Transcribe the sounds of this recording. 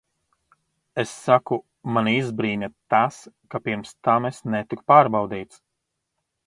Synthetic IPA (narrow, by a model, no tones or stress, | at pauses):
esːaku | manizbɾiːnʲat̪as | kapiɾmst̪amesnɛt̪ikpaːɾbawd̪iːt̪s